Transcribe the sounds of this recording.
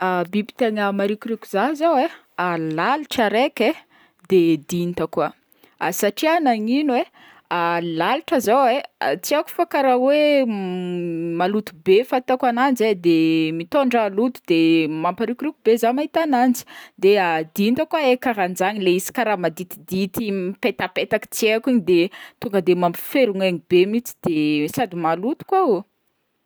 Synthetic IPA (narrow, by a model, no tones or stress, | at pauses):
abibit̪eŋəmaɾikuɾiku̥zazawe | alaluʈ͡ʂaɾekʲe | d̪ed̪int̪akua | asaʈ͡ʂianaɲinuwe | alaluʈ͡ʂəzawea̰t͡siaku̥fakaɾawe | malut̪ubefat̪akwanand͡zed̪emit̪oɳɖ͡ʐalut̪u̥d̪̥emampaɾikuɾikubezamait̪anand͡zi̥d̪ead̪int̪əkwaekaɾand͡zaɲileisi̥kaɾamad̪it̪i̥d̪it̪ipet̪apet̪aki̥t͡siakiɲid̪et̪uŋɡəd̪emampi̥feɾunaɲib̥emit͡si̥d̪̥esad̪imalut̪u̥kwau